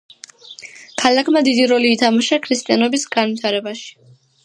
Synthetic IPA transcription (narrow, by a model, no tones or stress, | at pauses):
kʰalakʰmad̪id̪iɾɔliːt̪ʰamaʃakʰɾist̪ʼianɔbisɡanvit̪ʰaɾɛbaʃi̥